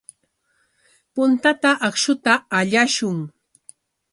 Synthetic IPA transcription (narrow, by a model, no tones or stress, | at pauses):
pʊnt̪at̪aʔɑχʃʊt̪aːʎaʃʊŋ